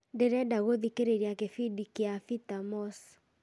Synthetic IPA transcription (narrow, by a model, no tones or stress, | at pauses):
deɾɛdaɣoðikeɾeɾjakefidikiafit̪amɔs